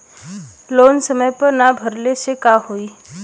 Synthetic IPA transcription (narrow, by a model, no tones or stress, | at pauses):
lonsəməjpəɾnabʱəɾleɕekahoi